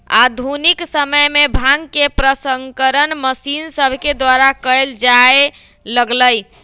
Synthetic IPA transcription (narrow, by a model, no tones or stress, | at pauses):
a̰d̪ʱuniksəməjmebʱãŋɡkepɾəsəŋkəɾənməsinsəbʱked̪waɾakəjld͡ʒae | ləɡləj